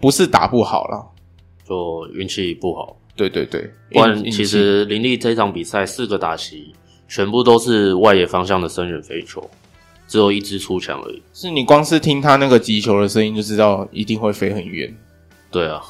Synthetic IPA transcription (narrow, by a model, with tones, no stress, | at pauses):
pu˧˦ʂɻ̩˥˨t̪a̰˨˩pu˥˩xɑ̰˨˩ʊlə̰˩ | t͡ɕjo˥˩ʊy̰˥˧nt͡ɕʰi˥˧pu˥˩xɑ˨˩ʊt̪we˥˧ɪt̪we˥˧ɪt̪we˥˩ɪ˥a˥nt͡ɕʰi˧˥ʂ̬ɻ̩˧˦li˧˥nli˥˧fe˥ɪʈ͡ʂʰɑ˧˥ŋpi˨˩sa˥˩ɪsɹ̩˥˩ɡə˩t̪a˨˩ɕʰi˨˦ | t͡ɕʰɥɛ˧˥npu˥˧˩t̪o˥ʊʂɻ̩˥˧wa˥˧ɪjɛ˥˩fɑ˥ŋɕ̬jɑ˥˩ŋd̪ə˩ʂə˦nɥɛ˨˩nfe˥ɪʈ͡ʂʰɔ̰˨˥˦ | ʈ͡ʂɻ̩˧˥jo˨˩ʊi˥˩ʈ͡ʂɻ̩˦ʈ͡ʂʰu˥t͡ɕʰjɑ̰˧˥ŋə̰˧˦˨ʂɻ̩˥˩ni˨˩kwɑ˥ŋʂ̩˥˨t̪ʰi˥ŋt̪ʰa˥na˥˩ɡə˩t͡ɕi˧˥t͡ɕʰjo˧ʊdə˨ʂ̩˧˥˧n˨˩jo˥˩ʊʈ͡ʂɻ̩˦˥t̪ɑ˥˩ʊi˧˥t̪i˥˧ŋxwe˥˩ɪfe˥ɪxə˨˩nɥɛ̰˧˥˦n | t̪we˥˩ɪə˩